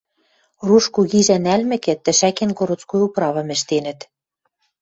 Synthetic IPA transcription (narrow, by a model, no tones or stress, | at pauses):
ruʃkuɣiʒænælmɘ̆kɘ̆t̪ːɘ̆ʃækenkoɾŏt͡skujuprɑβɤ̆mɘ̆ʃt̪enɘ̆t̪